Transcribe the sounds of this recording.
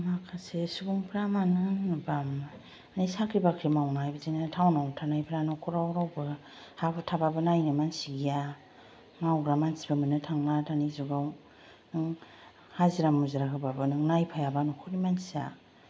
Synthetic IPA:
makʰasesuɡuŋpʰɾamanɯŋbam | najsakʰɾibakʰɾimawnajbɯzenatʰawnawtʰanajpʰɾanɔkʰɔɾawɾawbɯ | hapɯtʰababɯnajnɯmansiɡija | mawɡɾamansi̥bɯmɯnɯtʰaŋlatʰanizuɡaw | nɯŋ | haziɾamuziɾakʰɯbabɯnɯŋnajpʰajabanɔkʰuɾimansia

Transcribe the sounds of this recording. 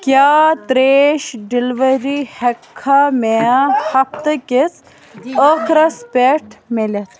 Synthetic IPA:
kjaːt̪ɾeːʃɖilʋɐɾihekʰːamehɐpt̪əkes | əkʰɾɐspʲeʈʰmelʲɐt̪ʰ

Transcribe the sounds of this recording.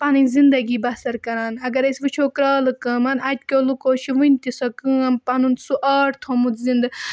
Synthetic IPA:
pɐnɨnʲzind̪ɐɡiːbɐsɐɾkɐɾaːnɐɡɐɾɐsʲʋɨt͡ʃʰoːkɾaːlɨkɐːmɐnɐt̪̚ʲkʲoːlukoːʃʰiʋɨnʲt̪isɐkɨːɐmpɐnunsuʔɐːʈt̪ʰomut̪zind̪ɐ

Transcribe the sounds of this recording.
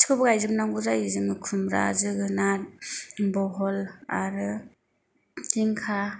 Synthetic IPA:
skʰɯbɯɡajzɯmnaŋɡuzaizɯŋɯkʰumɾa̰zɯɡɯna | bɔɦɔlaɾɯ | tʰiŋkʰa

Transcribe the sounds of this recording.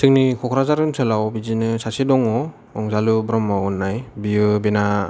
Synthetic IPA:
sʰɯŋnikʰɔkʰɾazaɾɯnsʰɯlawbizinɯsasidɔŋɔ | ɔŋzalubɾɔmawɯnːajbiɯbena

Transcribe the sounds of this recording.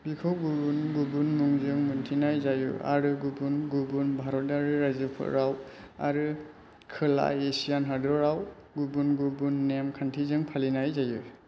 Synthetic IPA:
bikʰɔwɡubunɡubunmuŋzɯŋmɯntʰinajzajṵa̰ɾɯɡubunɡubunbʱaɾɔt̚aɾɯɾazɯpʰɔ̰ɾawa̰ɾɯ | kʰɯla̰esijanɦadɔɾaw | ɡubunɡubunːemkʰantʰizɯŋpʰalinajzaju

